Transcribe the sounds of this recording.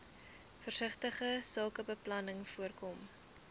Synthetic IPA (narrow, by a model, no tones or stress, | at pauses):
fərsəχtəχəsəlˠkəbəplɐnəŋfuərkɔm